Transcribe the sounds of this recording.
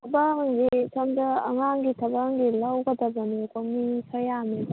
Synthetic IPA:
ɐbaŋɡisʰomdɐ̰ːŋaŋɡitʰɐbaŋɡilawɡɐdɐbɐnikomisʰɐjameb

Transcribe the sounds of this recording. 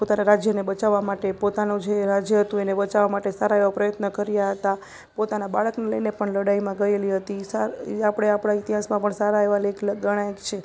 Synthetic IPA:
pot̪anaɾad͡ʒjənebət͡ʃaʋːamaʈepot̪anũd͡ʒeɾad͡ʒjəɦət̪ũenebət͡ʃaʋamaʈesaɾaeʋapɾəjət̪nəkəɾjaɦət̪a | pot̪anabaɭəkneləjnepəɳləɽaimãɡəeliɦət̪isaapɽ̃eapɽ̃aɪt̪iɦasmãpəɳsaɾaeʋalekləɡəɽ̃aekt͡ʃʰe

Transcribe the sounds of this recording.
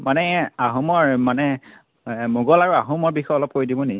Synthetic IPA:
manɛaɦɔmɔɹmanɛ | muɡɔlaɹuaɦumɔɹbixɔjɔlɔp̚koɹidibɔne

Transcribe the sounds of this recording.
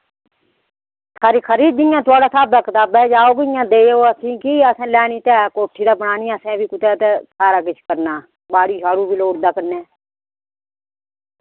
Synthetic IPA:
kʰaɾiːkʰəɾiːd̪iːjãːt̪ʊaːɽaːsaːb̚d̪aːkət̪aːbɛːd͡ʒaːoːɡɪjãːd̪eːoːəsĩːkiːəsɛ̃ːlɛːniːt̪ɛːkoːʈʰːiːd̪aːbənaːniːəsɛ̃ːbiːkʊt̪ɛːt̪eːsaːɾaːkɪt͡ʃʰkəɾnaː | baːɽiːʃaːɾuːbʱiːloːɽd̪aːknẽː

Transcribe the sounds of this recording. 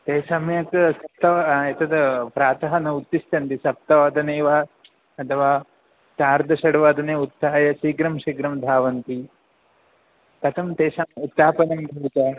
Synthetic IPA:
t̪eːsɐmjɐksɐp̚t̪ɐʋɐet̪ɐd̪ɐpɾaːt̪ɐɦɐnɐut̪ːist̪ɐnt̪isɐp̚t̪ɐʋɐd̪ɐneːʋaː | ɐt̪ʰɐʋaː | t͡ʃ̪aːɾd̪ʱɐʃɐɽɐʋaːd̪ɐneːut̪ːaːjɐʃiːɡɾɐmʃiɡɾɐmd̪ʱaːʋɐnt̪i | t̪ɐt̪ʰɐmt̪eːsɐmjɐut̪ːaːpɐnɐmbʱɐʋt̪ɐː

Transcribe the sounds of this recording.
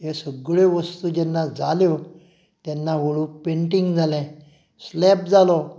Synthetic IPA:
ɦesəɡɭeʋəst̪uːd͡ʑɛnːad͡zaljo | t̪ɛnːaʋoɭũpẽɳʈiŋɡd͡zʱalɛ̃ | slɛp̚d͡zalɔ

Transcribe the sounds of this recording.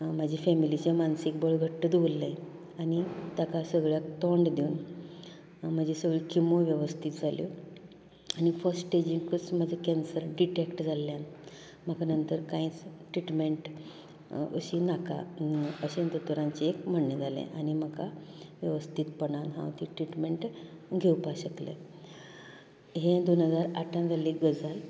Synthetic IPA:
m̤ad͡ʑʱifɛmilit͡ɕẽmansik̚bɔɭɡʱəʈːəd̪ulːaj | anit̪jakasəɡɭjak̚t̪ɔɳɖd̪iun | m̤əd͡ʑesəɡɭikʰimoʋjəʋəst̪ʰit̪d͡zʱaljo | anifəɾsʈʈed͡ʑiŋkət͡smad͡zʱəkɛnsəɾɖiʈekʈd͡zʱalːjan | m̤akanənt̪əɾkãĩt͡sʈɾiʈmeɳʈ | ə̰ɕinakʰa̰əɕent̪ət̪oɾãɲt͡ɕeekm̤əɽned͡zʱalḛ̃ʔanim̤əkʰaʋjəʋəst̪ʰiːt̪pəɳãnɦã̰ʋt̪iʈɾiʈmeɳʈɡʱeupaɕəklḛ̃ | ɦẽd̪onɦəd͡zaɾaʈʰãnd͡zʱaliɡəd͡zal

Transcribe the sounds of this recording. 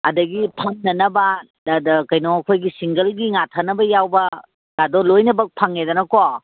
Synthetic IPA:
ɐdɐɡipʰɐŋnɐnɐbɐ | dkɐjnɔɐkʰojɡisiŋɡɐlɡiŋatʰɐnɐbɐjawbɐ | ɡadɔlojnɐbɐk̚pʰaŋedɐnɐko

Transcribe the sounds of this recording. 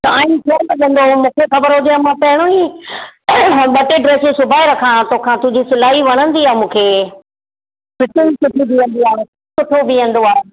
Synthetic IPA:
t̪ɐãːĩtʰoːmɐɗə̃nd̪omũːkʰexɐbəɾɦõd̪iãmãpɐɦɪɽ̃oɦĩ | ɓɐʈeɖɾeːsesʊbʱaːeɾɐkʰãt̪oːkʰãt̪ʊ̃ɦd͡ʑisɪlaːɦiʋɐɽ̃ə̃nd̪iaːmũːkʰeː | pɪʈeisʊʈʰibiə̃nd̪iãːsʊsʊʈʰobiə̃nd̪oaːẽ

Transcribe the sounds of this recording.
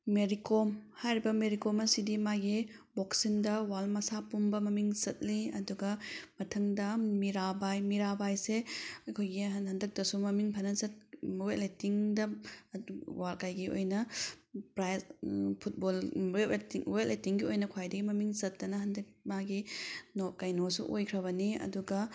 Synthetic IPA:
meɾikomhajɾibɐmeɾikomɐsidimaɡiboksindɐwalmɐsapumbɐmɐmiŋsɐt̚liɐduɡɐmɐtʰɐŋdɐmiɾabajmiɾabajseɐkʰojɡiɦɐndɐk̚tɐsumɐmiŋpʰɐnɐzɐt̚wetletiŋdɐ | walkajɡio̰jnɐpɾajpʰut̚bolweetiŋwetletiŋɡiojnɐkʰwajdɐɡimɐmiŋzɐtːɐnɐɦɐndɐk̚maɡinokajnosṵʔojkʰɾɐβɐniɐ̰duɡɐ

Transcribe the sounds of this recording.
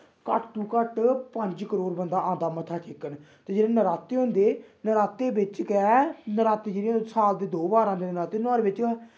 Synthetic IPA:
kəʈt̪uːkəʈpəɲd͡ʒkəɾoːɾbənd̪aːʔãːnd̪aːmət̪ʰaːʈʰɪkːən | t̪eːd͡ʒɪːɽẽːnəɾaːt̪eːɦõnd̪eːnəɾaːt̪eːbɪt͡ʃkɛnəɾaːt̪eːd͡ʒeːɾisaːld̪eːd̪oːbaːɾãːd̪eːnɾaːt̪eːnaːɾeːbɪt͡ʃː

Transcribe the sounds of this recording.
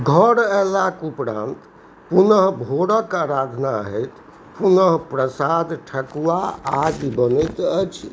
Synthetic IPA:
ɡʱəɽɛlakupɾã̰nt̪ | punəɦbʱoɽəkaɾad̪ʱnaɦɛt̪ | punəɦpɾəsad̪ʈʰəkuʋaad͡ʒbənɛt̪ət͡ʃʰ

